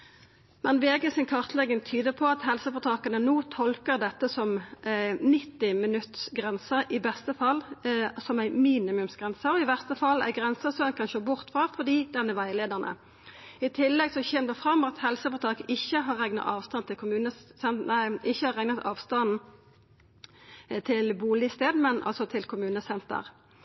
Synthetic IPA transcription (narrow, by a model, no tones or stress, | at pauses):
mɛnʋeːɡəsɪnkʰɑʁt̪ʰlɛɡəŋt̪ʰyːd̪əpʰɔɑt̪hɛlsəfɔʁt̪ʰɑːkɑnənoːt̪ʰɔlkəʁd̪ɛt̪ːəsɔm | nɪt̪ːɪmɪnʉt̪sɡʁɛnsəʔɪbɛst̪əfɑlsɔmæɪmiːnɪmʉmsɡ̥ʁɛnsəɔɪʋæʁst̪əfɑlæ̰ɡʁɛnsəsɔɛnkɑnʃoːbʊʁt̪fʁɑfɔd̪iːd̪ɛnːəʋæɪleːd̪əʁnʔə̰ | ɪt̪ʰɪlːɛɡsɔçɛːmd̪əfʁɑmːɑt̪hɛlsəfɔʁt̪ʰɑːkəɪçːəɦɑʁɛŋnɑ̰t̪ɑːʋst̪ɑnt̪ʰɪlkʰʊmʉːnəsɛnæɪɪçːəhɑʁɛŋnɑt̪ɑːʋst̪ɑnn̩ | t̪ʰɪlbuːlɪst̪eːd̪mɛnʔɑ̰lsɔt̪ʰɪlkʰʊmʉːnəsɛnt̪ə̰ʁ